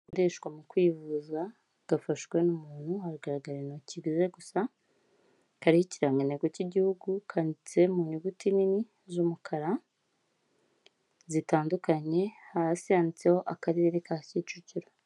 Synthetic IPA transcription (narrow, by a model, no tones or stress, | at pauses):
koɾeːʃkwamukwiːvuza | ɡ̥afaʃɡwe̞numuːn̥huhaɾuɡaɾaɡaɾenociɡize̞ɡusa | kaɾihiciɾameneɡociɟihuɡukʰanit͡se̞muɲuɡutinini | zumukʰaɾa | zitaːndukaɲe̞hahasiaːnit͡seho̞ʔakaɾiɾeɾekahcit͡ʃuciɾo